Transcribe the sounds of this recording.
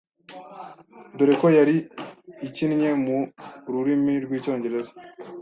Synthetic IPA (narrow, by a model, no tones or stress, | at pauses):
doɾekojaɾiː | cinɲe̞muɾuɾimiɾɡwiːco̞ːɲɟe̞ɾe̞zḁ